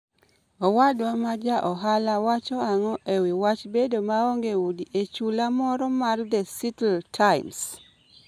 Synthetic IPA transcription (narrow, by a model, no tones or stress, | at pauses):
ɔwadwamad͡ʒaʔɔɦalawat͡ʃɔaŋɔʔewiwat͡ʃbedomaoŋɡeudiʔet͡ʃulamɔɾɔmaldɛsitltʰaɪms